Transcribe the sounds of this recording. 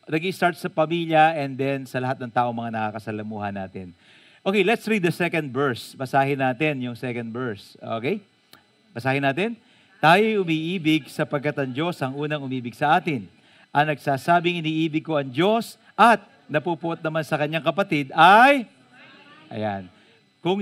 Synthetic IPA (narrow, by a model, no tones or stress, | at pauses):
nɐɡiɪst̪aɹt̪̚sɐpɐmiljɐʔɛnd̪ɛnsɐlɐhat̪̚nɐŋt̪aːʔo̞ŋmɐŋanɐkakɐsɐlɐmuːhɐnːaːt̪ɪ̰n | ʔokejlɛt̪sɹid̪ːɐsɛkɐ̃nd̪̚vɛɹsbɐsaːhɪnaːt̪ɪnjʊŋsɛkɐnd̪bɛɹso̰kej | bɐsaːhɪnaːt̪ɪn | t̪aːjojʊmiːʔiːbɪɡ̚sɐpɐɡ̚kːat̪ɐŋd͡ʒo̞sʔɐŋʔuːnɐŋʊmiːbɪɡ̚sɐʔaːt̪ɪn | ʔɐŋnɐɡsaːsaːbɪŋɪniːʔiːbɪɡ̚koʔɐŋd͡ʒo̞s | ʔɐt̪̚ | nɐpupʊʔot̪̚nɐmansɐkɐɲːaŋkɐpɐt̪id̪aj | ʔɐ̰jan | kʊŋ